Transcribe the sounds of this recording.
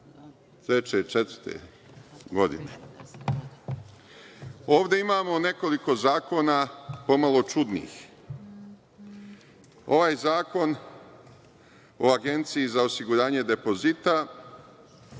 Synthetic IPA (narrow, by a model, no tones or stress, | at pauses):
t̪ɾet͡ɕe̞t͡ʃet̪̩t̪ḛ | ɡo̞d̪ḭne | oːʋd̪e̞imaːmo̞ne̞ko̞liko̞zaːko̞ːnapo̞malˠo̞t͡ʃud̪nḭːx | o̞̰ʋaːjzaːko̞n | oaɡe̞nt̪siizao̞siɡuɾaːɲe̞d̪e̞po̞zit̪a